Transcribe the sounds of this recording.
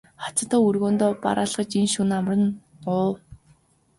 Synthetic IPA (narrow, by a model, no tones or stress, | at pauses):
χḁt͡sə̆t̪ʰɔːurɣoːnt̪oːpa̰ɾʔaːɮʁə̆t͡ɕinʃunamrə̆n | ʊː